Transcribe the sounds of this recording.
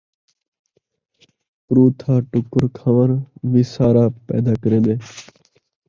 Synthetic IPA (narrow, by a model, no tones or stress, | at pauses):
kɾuːt̪ʰãːʈʊkəɾkʰaːʋənʋiːsaːɾaːpɛ̰ːd̪aːkəɾẽːɗ̪eː